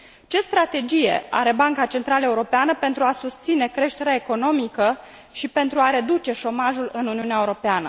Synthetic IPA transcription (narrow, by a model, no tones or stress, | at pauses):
t͡ʃe̞st̪ɾat̪e̞d͡ʒije̞̰a̰ɾe̞baŋkat͡ʃe̞nt̪ɾaləeuɾo̞peanəpe̞nt̪ɾuasust̪sine̞kɾe̞ʃt̪e̞ɾeaeko̞no̞mikə | ʃipe̞nt̪ɾuaɾe̞d̪ut͡ʃe̞ʃo̞maʒulɨnuniuneaeuɾo̞peanə